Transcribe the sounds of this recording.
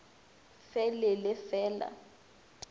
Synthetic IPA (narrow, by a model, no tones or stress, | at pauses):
fɛlɛlɪfɛːla̰